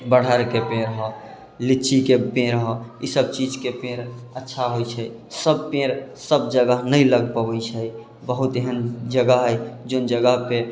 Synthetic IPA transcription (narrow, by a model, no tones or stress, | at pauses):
bəɽ̤əɾkepẽɾɦɔ | lit͡ʃikepẽɾɦɔisəb̚t͡ʃid͡ʒkepẽɾətːʃʰaɦojt͡ʃʰɛ | səb̚pẽɾsəbd͡ʒəɡəɦnəiləɡpəwəit͡ʃʰəj | bəɦut̪eɦənd͡ʒəɡəɦɦəjd͡ʒond͡ʒəɡəɦpe